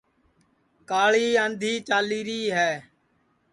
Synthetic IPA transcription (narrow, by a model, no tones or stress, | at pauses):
kaːɭiːə̃nd̪ʱiːt͡ʃaːliːɾiːɦɛː